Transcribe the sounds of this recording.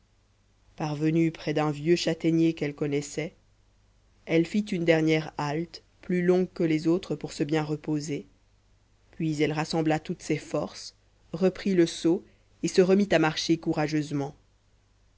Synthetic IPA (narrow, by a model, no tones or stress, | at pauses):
paʁvənypχɛd̪ɛ̃vjøʃat̪ɛnjekɛlkɔnɛsɛ | ɛlfit̪ynd̪ɛʁnjɛʁalt̪ | plylɔ̃ɡkəlɛzot̪χəpuʁsəbjɛ̃ʁəpoze | pɥizɛlʁasɑ̃blat̪ut̪sɛfɔʁs | ʁəpχiləso | esəʁəmit̪amaʁʃekuʁaʒøzmɑ̃